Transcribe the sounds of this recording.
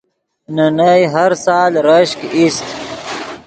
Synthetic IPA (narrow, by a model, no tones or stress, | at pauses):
nɐnajɦɐɾsaːlɾəɕkist̪